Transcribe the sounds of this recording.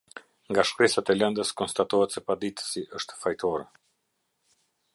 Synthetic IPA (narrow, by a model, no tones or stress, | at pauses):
ŋɡaʃkɾɛsat̪ɛlɛnd̪əskɔnst̪at̪ɔhɛt̪sɛpad̪it̪ə̥siʔəʃt̪ə̥fajt̪ɔɾɛ